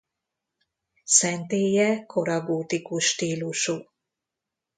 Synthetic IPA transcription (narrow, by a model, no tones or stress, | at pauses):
sɛnt̪eːjɛkʰoɾɑɡoːt̪ikuʃʃt̪iːluʃu